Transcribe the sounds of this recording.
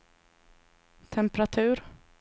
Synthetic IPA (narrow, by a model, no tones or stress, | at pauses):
t̪ʰɛmpɾat̪ʰʉ̟ːɾ